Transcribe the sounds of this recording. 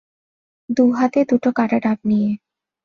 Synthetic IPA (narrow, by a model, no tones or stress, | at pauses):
d̪uɦat̪ed̪uʈokaʈaʈap̚nije